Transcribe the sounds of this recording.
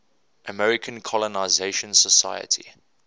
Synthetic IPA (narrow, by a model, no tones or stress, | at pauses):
ʔəmɛɹɪkʰə̃nkʰɔlɔnaɪzeɪʃə̃nsəsa̰jə̰tʰḭ